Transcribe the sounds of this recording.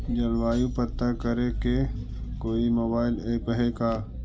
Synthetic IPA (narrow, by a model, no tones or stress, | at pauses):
d͡ʒɐlʋaːjũpət̪ːakəɾeke | koːimoːbaːɪleːkəɦekaː